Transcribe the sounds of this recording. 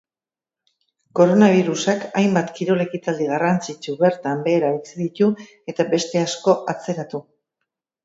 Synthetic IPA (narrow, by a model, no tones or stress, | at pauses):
ko̞ɾo̞naβ̞iɾusakajmbat̪kiɾo̞le̞kit̪ald̪iɣ̞arant͡sit͡ʃuβe̞ɾt̪ambe̞ːɾait͡siðit̪u | e̞t̪abe̞st̪e̞asko̞ʔat͡se̞ɾat̪u